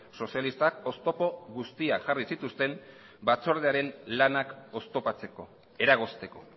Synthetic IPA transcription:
so̞sialist̪ako̞st̪o̞po̞ɣust̪iakʝarisit̪ust̪e̞m | bat͡so̞ɾð̞eaɾe̞nlanako̞st̪o̞pat͡seko | e̞ɾaɣ̞o̞st̪e̞ko̞

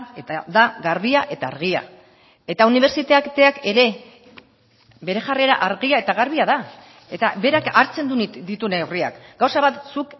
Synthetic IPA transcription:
et̪ad̪aɣaɾβiaʔe̞t̪aːɾɣ̞ia̰ | e̞t̪auniβ̞e̞ɾt͡sit̪eakt̪eake̞ɾe̞ | be̞ɾe̞ʝare̞ɾa̰ʔaɾɣiae̞t̪aɣaɾβiaða | e̞t̪abe̞ɾakaɾt͡se̞nd̪ud̪it̪unewria̰kɡawsaβat̪suk

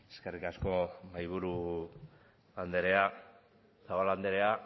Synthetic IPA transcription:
eskerikasko̞majβ̞uɾu | and̪eɾe̞a | saɣoland̪eɾe̞a

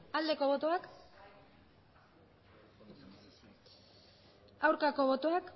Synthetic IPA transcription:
ald̪e̞ko̞βo̞t̪o̞ak | awɾkako̞βo̞t̪oak

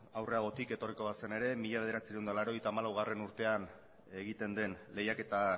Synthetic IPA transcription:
awre̞aɣ̞o̞t̪ike̞t̪o̞riko̞βasene̞ɾe̞miʎaβe̞ð̞e̞ɾat͡siɾewnd̪alaɾo̞e̞jt̪aːmalawɣ̞are̞nuɾt̪e̞an | e̞ɣit̪e̞nd̪e̞nle̞jake̞t̪a

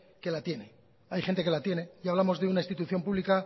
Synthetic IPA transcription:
ke̞lat̪je̞ne̞ | ajχent̪e̞ke̞lat̪je̞ne̞jaβ̞lamo̞zðe̞unaist̪it̪uθjo̞mpuβlika

